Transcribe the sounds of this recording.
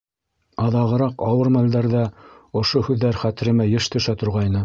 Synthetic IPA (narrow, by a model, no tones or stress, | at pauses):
ɑðɑʁɤ̆ɾɑqɑwɤɾmæld̪æɾðæ | ŏʃohʉðːæɾχæt̪ɘ̆ɾɘ̆mæjɘ̆ʃt̪ɵ̆ʃæt̪ŏɾʁɑjnɤ